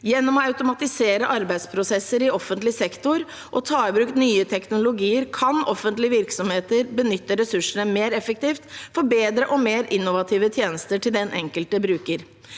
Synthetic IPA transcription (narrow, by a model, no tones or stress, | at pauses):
jɛnːɔmɔɑʉt̪ʊmɑt̪ɪseːɾəʔɑɾbæɪd̪spʰɾʊsɛsːəɾɪɔfənt̪lɪsɛkt̪ʊɾ | ʔɔt̪ʰɑːɪbɾʉːkt̪nyːət̪ʰɛknʊlʊɡiːəɾkʰɑnɔfːənt̪lɪəʋɪɾksɔmheːt̪əɾbənʏt̪ːəɾɛsʉʂəɳəmeːɾɛfək̚t̪iːft̪fɔbeːd̪ɾəʔɔmeːɾɪnːʊʋɑt̪ʰiːʋət̪ʰjeːnəst̪əʈʰɪld̪ɛnʔɛ̰ŋkəlt̪əbɾʉːkəɾ